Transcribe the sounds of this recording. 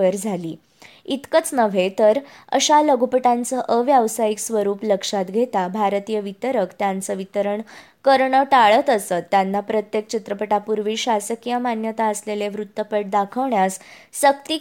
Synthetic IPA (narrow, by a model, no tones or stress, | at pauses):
əɾd͡zʱalḭː | it̪kət͡snəʋet̪əɾə̰ɕaləɡupəʈant͡səʔəʋjaʋsajiksʋəɾuːpləkʂat̪ɡʱet̪abʱaɾt̪ijəʋit̪əɾəkt̪jãnt͡səʋit̪əɾəɳ | kəɾɳəʈaɭət̪əsət̪ːjanːapɾət̪jek̚t͡ɕit̪ɾəpəʈapuɾʋiːɕasəkijəmanjət̪aəsleleʋɾut̪ːəpəʈ̚d̪akʰəʋɳjas | səkt̪i